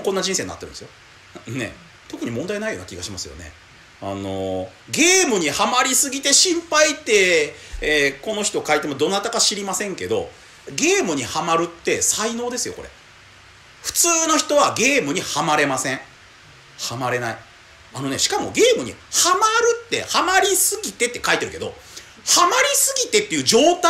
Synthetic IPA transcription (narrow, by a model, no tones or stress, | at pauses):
konːad͡ʑĩseːɲːa̰t̪eɾɯ̟nd̪esjo | ne̞̰ | t̪o̞kɯ̟ɲ̟imond̪ainaijo̞ːna̰kʲiɡaɕimasɨjo̞̰ne̞̰ | ano̞ | ɡe̞ːmɯ̟ɲ̟ihamaɾʲisɨɡʲit̪e̞ɕĩmpait̪e̞ | ko̞no̞çi̥t̪o̞kait̪e̞mod̪o̞nat̪akaɕiɾʲimasẽ̞ŋke̞d̪o̞̰ | ɡe̞ːmɯ̟ɲ̟ihamaɾɯ̟t̪ːe̞saino̞ːd̪e̞sɨjo̞ko̞ɾʔe̞̰ | ɸɯ̟̥t͡sɨːno̞çi̥t̪o̞βaɡe̞ːmɯ̟ɲ̟ihamaɾe̞masẽ̞ɴ | hamaɾe̞nai | ano̞ne̞̰ɕi̥kamo̞̰ɡe̞ːmɯ̟ɲ̟ḭhamaɾɯ̟t̪ːe̞̰hamaɾʲisɨɡʲit̪e̞t̪ːekait̪eɾɯ̟ke̞d̪o̞̰ | hamaɾʲisɨɡʲit̪e̞t̪ːe̞iɯ̟ːd͡ʑo̞ːt̪a